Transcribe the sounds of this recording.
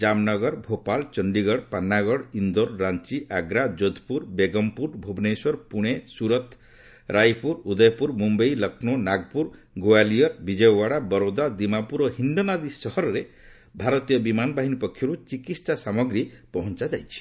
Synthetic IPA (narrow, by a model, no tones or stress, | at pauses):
d͡ʒamnɔɡɔɾbʱopalt͡ʃɔɳɖiɡɔɽpanːaɡɔɽind̪oɾːant͡ʃiʔaɡɾad͡ʒod̪ʱpuɾbeɡɔmpuɾbʱobneswɔɾpuɽ̃esuɾɔt̪ʰ | ɾajpuɾud̪ɔjpuɾmumbʌjlʌkʰnonaɡ̚puɾ | ɡoalijɔɾbid͡ʒɔjɔwaɽabɔɾod̪ad̪imapuɾɔɦinɖonad̪isɔɦɔɾɔɾe | bʱaɾɔt̪ijɔbimanbaɦinipɔkʰːjɔɾut͡ʃikit̪ssasamɔɡɾipɔɦɔnt͡ʃad͡ʒajt͡ʃʰi̥